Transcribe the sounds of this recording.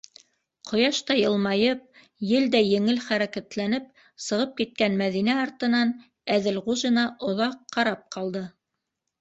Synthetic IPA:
qʰŏjɑʃt̪ɑjɤ̆lˠmɑjɤp̚ | jɘld̪æjɘ̆ŋɘlχæɾækæt̪lænɘp̚ | sɤ̆ʁɤp̚kit̪̚kænmæðinæɑɾt̪ɤ̆nɑn | æðɘlʁuʒɤ̆nɑʔŏðɑqːɑɾɑp̚qʰɑlˠd̪ɤ

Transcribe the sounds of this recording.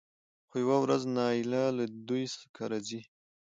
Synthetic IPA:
xojawawɾaznɑɪlalad̪ujskʰaɾazi

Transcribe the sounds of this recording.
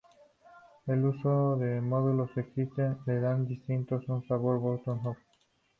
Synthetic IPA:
elusod̪emɔðulosekit̪eledand̪ist̪int̪ɔsɔnsabɔɾbɔɾt̪ɔnɦɔk̚

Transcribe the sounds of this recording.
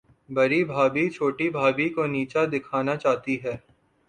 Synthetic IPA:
bɐɾibʱaːbit͡ʃʰoːʈibʱaːbikoniːt͡ʃad̪ɪkʰaːnat͡ʃaːt̪iɦɛː

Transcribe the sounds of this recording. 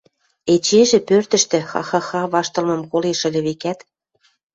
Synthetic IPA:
et͡ɕeʒĕpørt̪ə̆ʃt̪ĕxɑ̰xɑxɑβɑʃt̪ɤ̆lmɤ̆mkoleʃə̆lʲĕβekæt̪

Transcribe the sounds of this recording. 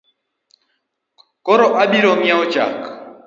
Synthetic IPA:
kɔɾɔʔaɓiɾɔŋjaɔt͡ʃa̰k

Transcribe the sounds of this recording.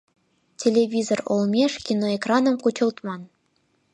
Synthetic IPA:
tʲelʲevʲizoro̰lˠmʲeʂkʲinoekrɑnɤ̆mkut͡ɕɤ̆lˠt̪mɑn

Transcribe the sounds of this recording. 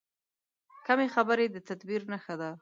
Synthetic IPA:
kamexabəɾed̪ət̪ad̪biɾnəxad̪a

